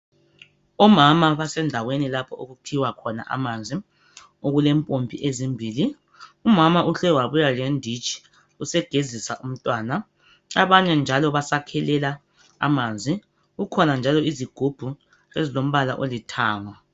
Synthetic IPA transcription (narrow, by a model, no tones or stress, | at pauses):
ɔmamaβasɛndʱawenilapʰɔoɣupʰiwakʰɔna̰ʔa̰mand͡zʱi | oɣulɛmpʼompʼḭʔezimbʱiːli | umamaʔuɬɛwaβujalendʱit͡ʃʰʼi̥ | usɛɡ̥ʱezisaʔum̩tʼwaːna | aβaɲɛnd͡ʒʱalɔβasakʰɛlɛla | a̰mand͡zʱi | ɣukʰɔnand͡ʒʱalɔiziɡ̥ʱub̥ʱu | ezilom̩βala̰ʔolitʰaːŋa